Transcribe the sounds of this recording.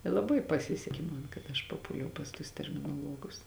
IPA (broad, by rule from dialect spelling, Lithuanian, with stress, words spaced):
ɪ lˠɐˈbɐɪ pɐˈsʲɪsʲɛkʲɪ mɐn kɐt ɐʃ pɐˈpuːlʲɛʊ pɐs tuɔs tʲɛrʲmʲɪnoːˈlˠuɔɡʊs